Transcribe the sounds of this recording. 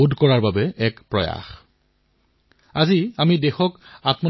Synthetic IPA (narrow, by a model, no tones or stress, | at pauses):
udʱkɔɹaɹbabɛɛkpɹɔja̰x | aziamidexɔkatmɔ